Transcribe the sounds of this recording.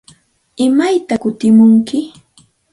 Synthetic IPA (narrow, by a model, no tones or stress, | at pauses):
ɪmajt̪akʊt̪ɪmʊŋkɪ